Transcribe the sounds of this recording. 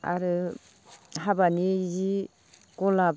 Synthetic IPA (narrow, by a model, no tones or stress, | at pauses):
a̰ɾɯ | ɦabanizi | ɡɔla